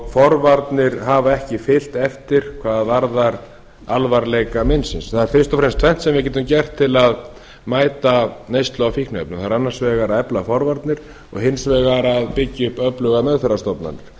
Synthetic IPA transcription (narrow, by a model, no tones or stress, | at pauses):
fɔɾvaɾt̪nɪɾɦavaɛhcɪfɪl̥t̪ɛft̪ɪɾ̥kʰvaːððvaɾðaɾ | alvaɾlejkamɪnsɪnsθaðɪɾfɪrst̪ɔfɾɛmst̪ʰvɛmn̥t̪sɛmvɪɾc̬ɛːt̪ʏmcɛr̥t̪ʰːɪlað | maːjt̪anejst̪lɔawfiknœpnʏmθaɾanːaɾ̥svɛːɣaɾaɛplafɔɾvaɾt̪nɪɾ̥ | ɔ̰ɣɦɪnsvɛːɣaɾaðpɪcːɪʏhpœplʏɣamœɣθœɾast̪ɔpna̰nːɪɾ̥